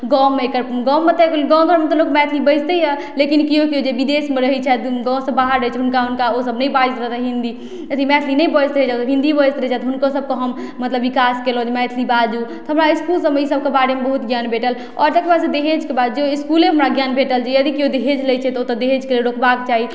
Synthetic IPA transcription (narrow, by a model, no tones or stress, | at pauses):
ɡɔ̃meekəɾɡɔ̃ːet̪eɡɔ̃ɡʱəɾmet̪ɔlokmɛt̪ʰlibəd͡ʒt̪əjə | lekinkiõkiod͡ʒebid̪esmeɾəɦɛt͡ʃʰɛɡɔ̃sə̃baɦəɾːəɦjt͡ʃʰɛɦunkaɦunkaosəbnəibaist̪ɾəɦt̪ɛɦĩnd̪i | d͡ʒət̪ʰimɛt̪ʰlinəbəjst̪ɾəɦɛd͡ʒat̪ɔɦĩnd̪ibjst̪ɾəɛt͡ʃʰat̪ɔɦunkosəb̚koɦəmː | ət̪ləbːikaskelõd͡ʒmɛt̪ʰlibad͡ʒut̪ɔɦəmɾaiskulsəmeisəb̚kebaɽemebəɦut̪ɡjanbʱeʈəl | ɔɾt̪əkebasẽd̪eɦed͡ʒkebad̪d͡ʒeiskuleɦəmɾaɡjanbʱeʈəld͡ʒejəd̪ikiod̪eɦed͡ʒləjt͡ʃʰɛt̪ɔot̪ɔd̪eɦet͡ʃkeleɾokbakt͡ʃaɦi